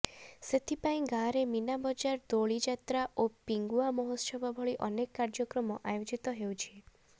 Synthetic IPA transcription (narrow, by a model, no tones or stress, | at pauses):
set̪ʰipaĩɡãɾeminabɔd͡ʒaɾd̪oɭid͡ʒat̪ɾaʔopiŋɡuamɔɦɔsɔbʱɔbʱɔɭiʔɔnekːaɾd͡ʒɔkɾɔmɔʔajod͡ʒit̪ɔɦeut͡ʃʰie